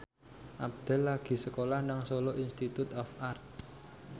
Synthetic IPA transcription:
ʔab̚d̪̥ɛ̤lːaɡ̥i̤səkolahnaŋsoloʔinst̪it̪ut̪ɔfart̪̚

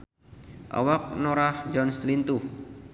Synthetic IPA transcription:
ʔa̰wak̚noɾahd͡ʒɔnslint̪u

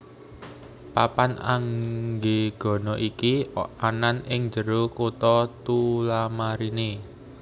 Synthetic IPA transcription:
papana̰ŋɡeɡ̥ɔ̤nɔʔikiananɪŋd͡ʒəɾokut̪ɔt̪ulamaɾine

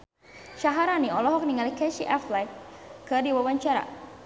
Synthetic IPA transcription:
ʃaɦaɾaniɔlɔɦɔk̚niŋalikaʃiʔɛflajkɨdiwawaɲt͡ʃaɾa̰

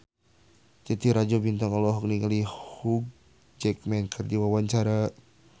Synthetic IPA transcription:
t̪it̪iɾad͡ʒɔbint̪ɔŋɔlɔɦɔk̚niŋalihuɡ̚ | d͡ʒɛk̚mɛnkʰɨrdiwawaɲt͡ʃaɾa

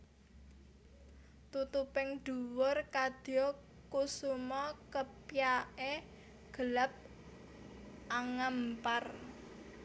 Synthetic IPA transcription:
t̪ut̪upɪŋɖ̥ṳwʊrkad̪̥ɔ | kusumɔkəpjaʔe | ɡ̥ə̤ləp̚ | ʔaŋampar

